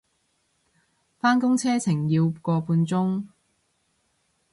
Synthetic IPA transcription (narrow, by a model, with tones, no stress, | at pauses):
faː˥nkʊ˥ŋt͡sʰɛː˥t͡sʰɪ˨˩ŋjiː˧wkɔː˧puː˧nt͡sʊ˥ŋ